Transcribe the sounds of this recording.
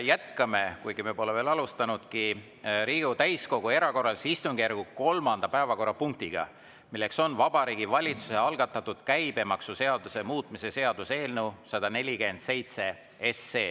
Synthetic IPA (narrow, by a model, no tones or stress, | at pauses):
jæt̪kɑme̞kujɡ̥ime̞po̞leve̞ːlɑlust̪ɑnud̪̥ki | ɾiːɡut̪æjsko̞ɡ̥ue̞ɾɑko̞rːɑlsist̪uŋɡ̥ærɡ̥uko̞lmɑnd̪̥ɑpæevɑko̞rːɑpuŋk̚t̪iɡ̥ɑ̰ | milːe̞kso̞nvɑb̥ɑɾiːɡivɑlʲit̪suse̞ɑlɡ̥ɑt̪ːˑɑt̪ːˑud̪̥kæjb̥e̞mɑksuse̞ɑd̪̥use̞muːt̪ˑmise̞se̞ɑd̪̥use̞ːlnewsɑd̪̥ɑne̞lʲike̞nd̪̥se̞jt̪se̞ | e̞sːe̞ː